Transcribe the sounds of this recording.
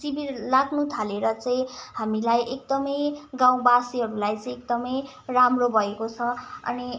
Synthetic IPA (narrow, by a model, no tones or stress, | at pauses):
sibiɾlaɡnut̪ʰaleɾʌt͡saĩɦamilajʔek̚d̪ʌmʌjɡaw̃basiɦʌɾulajt͡sʌĩek̚d̪ʌmʌj | ramrobʱʌekot͡sʰʌʌ̰ni